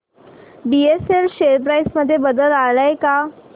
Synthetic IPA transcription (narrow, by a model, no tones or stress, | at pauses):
bieselɕeɾpɾajsməd̪ʱːjebəd̪əlaɭəjka